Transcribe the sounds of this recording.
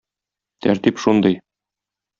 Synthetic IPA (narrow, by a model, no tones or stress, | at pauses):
t̪ʰæɾt̪ipʃund̪ɤj